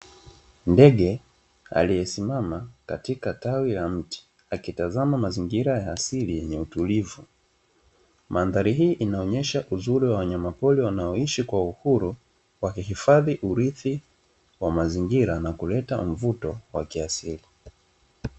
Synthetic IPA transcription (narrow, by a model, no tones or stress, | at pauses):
ndɛɠɛ | a̰lijɛsimamakatikatawilam̩ti̥ | akitazamamaziŋɡiɾajaːsilijɛɲɛutulivu | mʔaːnðaɾiɦiːʔinaɔɲɛʃaʔuzuɾiwawaɲamapɔliwanaɔiʃikwauhuɾu | wakihifaðiʔuɾiθi | wamaziŋɡiɾanakulɛtam̩vutɔwa̰kiasili